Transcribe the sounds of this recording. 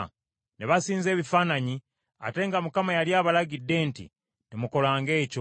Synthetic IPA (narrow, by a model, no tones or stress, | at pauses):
neβasiːnze̞ːβifaːnaɲi | a̰te̞ŋɡamukamajaljaːβalaɟidːe̞ntḭ | temuko̞laːŋɡe̞ːco